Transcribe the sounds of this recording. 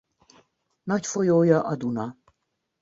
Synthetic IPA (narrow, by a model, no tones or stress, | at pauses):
nɒcfojoːjɒʔɒd̪unɒ